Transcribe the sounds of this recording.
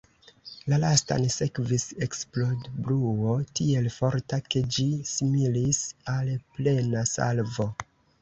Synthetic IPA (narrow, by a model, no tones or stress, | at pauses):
lalasta̰nse̞kvise̞ksplo̞dbɾuotie̞lfoɾtake̞d͡ʒisimilisalple̞nasa̰lvo̞